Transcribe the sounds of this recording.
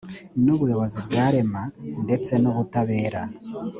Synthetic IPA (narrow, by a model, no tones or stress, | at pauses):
nuβujo̞βo̞zibɡaːɾe̞mande̞t͡se̞nuβutaβe̞ːɾa